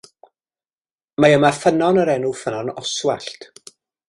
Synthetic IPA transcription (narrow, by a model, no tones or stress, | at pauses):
majəmafənɔnəɾɛnufənɔnɔswa̰ɬt